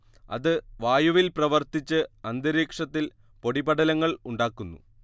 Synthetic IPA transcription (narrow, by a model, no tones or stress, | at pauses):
ɐ̰ðɨʋaːjuʋilprɐʋɐrt̪it͡ɕːɨɐnd̪ɐɾiːkʂɐt̪ːil | po̞ɽibɐɽɐlɐŋːɐɭuɳɖaːkːunːṵ